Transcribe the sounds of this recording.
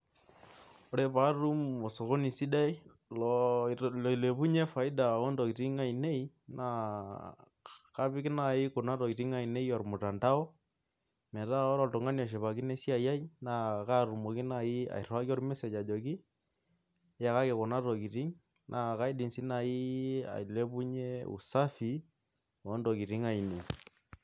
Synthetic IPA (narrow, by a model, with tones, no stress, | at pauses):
ɔ˦ɾe˦pa˦ɾu˦mo˨so˨ko˦ni˨si˦da˦i˦ | lɔli˨le˨pu˦ɲe˦fa˨i˦da˨o˦ndɔ˨ki˨ti˦ŋa˨i˨ne˦i˦ | nʔa˨ | ka˦pi˦ki˦na˨i˦ko˨na˦tɔ˨ki˨ti˦ŋa˨i˨ne˦i˦ɔ˨ɾmu˨ta˨nda˦ɔ˦ | mɛ˨ta˦ɔ˦ɾɔ˨to˨ŋa˦nɔ˨ʃ̬ɛ˨βa˨ki˦nɛ˦si˦a˨ja˦i˦na˨ka˦ɾu˨mo˨ki˦na˨i˦a̰˨ḭ˨ra˦ki˦ɔ˦rmɛ˦sɛ˨d͡ʒa˨d͡ʒɔ˨k̬i˦ | ja˦ka˦kɛ˨kɔ˨na˦tɔ˨ki˨ɾi˦ŋ | nʔa˨ka˦i˦di˨nsi˦na˨i˦a̰˨i˨le˦pu˦ɲe˦ṵ˨sa˦fi˨˦ | ɔ˨ɔ˦ndɔ˨ki˨ɾi˦ŋa˦˨i˨ne˨i˨